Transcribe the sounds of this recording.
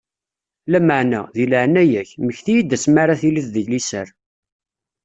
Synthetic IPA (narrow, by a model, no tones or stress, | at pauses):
læməʕnæðiləʕənːæjæçməçθijid̪ːæsmaɾaθiliθðəʝlisəɾ